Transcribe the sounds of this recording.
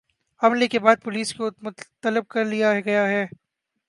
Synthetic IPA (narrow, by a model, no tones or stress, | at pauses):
ɐmlekebaːd̪̚pʊliːskomʊt̪ɐlɪb̚kɐɾlijaɡɐjaɦɛː